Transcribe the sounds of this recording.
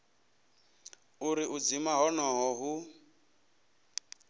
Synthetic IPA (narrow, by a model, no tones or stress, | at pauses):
uɾiʔud͡zimaɦɔnɔɦɔɦu